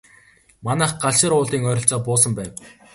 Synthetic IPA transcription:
manæːχɢaɮʃɪ̆ɾʊːɮiːŋœːɾʲɞ̆ɬt͡sɔːpʊːsə̆mpæːw

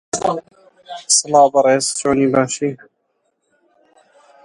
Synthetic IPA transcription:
sɨlɑːbɨɾˤeːzt͡ʃoːniːbaːʃiː

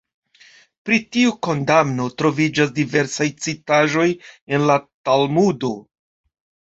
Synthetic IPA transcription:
pɾitiuko̞ndamno̞tɾo̞vid͡ʒas̬dive̞ɾsajt͡sitaʒo̞je̞nlatalmudo̞

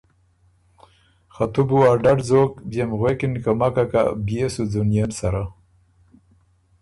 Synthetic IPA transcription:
xat̪ubuaɾɖaɖzoːkbjemɣwekɪnkamakaka̰bjesud͡zunjensaɾa

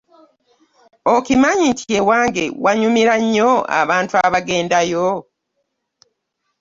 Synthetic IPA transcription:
okimaɲintʰiewaːŋɡe̞waɲumiɾaɲːo̞a̰βaːntuaβaɡe̞ːndajo

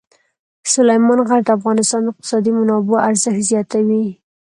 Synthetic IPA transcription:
sʊlajmɑnɣaɾd̪əafɣɑnɪst̪ɑnd̪ɪq̚t̪ɪ̥sɑd̪imanɑboaɾzəxzjɑt̪awi

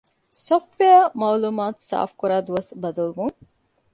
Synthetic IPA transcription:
softʋejɐmaːluːmaːt̪sa̰ːfkuɾaːd̪uʋɐsbɐd̪ɐlbuŋ

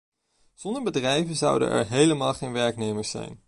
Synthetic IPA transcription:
z̥ɔndəɹbədrɛjvəzʌ̰wdə̰nʔɛ̰ɹɦejləmaːlˠχejnʋɛɹknejməɹsɛ̰jn

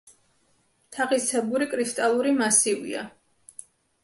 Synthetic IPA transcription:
t̪ʰaʁisɛbuɾikʼɾist̪ʼalˠuɾimasivḭa̰

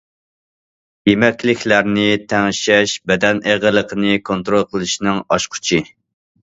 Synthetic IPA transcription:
jemɛkʲlɪkʲlæɾnɪt̪ʰɛŋʃɛʃbɛd̪ɛnʔeʁəlˠəqʰənɨkʰont̪ɾolˠqʰəlˠɨʃnɨŋɑʃqʰʊ̥t͡ʃʰi

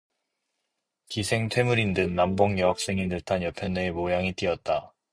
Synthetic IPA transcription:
kisʰe̞ŋtʰe̞muɾindɯnːamboŋjʌɦak̚s͈e̞ŋinɯɭtʰanjʌpʰjʌnːeemojaŋit͈iʌt̚t͈a

